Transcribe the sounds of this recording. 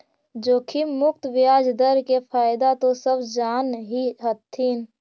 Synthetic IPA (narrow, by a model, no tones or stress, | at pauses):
d͡ʒoːkʰimʊkt̪ʋɪjaːd͡ʒd̪əɾkepʰaːɪd̪at̪osəbʱd͡ʒaːnɦiɦət̪ʰːin